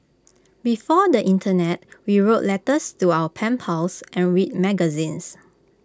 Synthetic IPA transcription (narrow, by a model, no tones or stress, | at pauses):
bifɔdəʔĩntʰənɛt̚wiɹoʔlɛtəstuaəpʰɛ̃mpʰalsʔɛ̃nɹit̚mɛɡəzĩns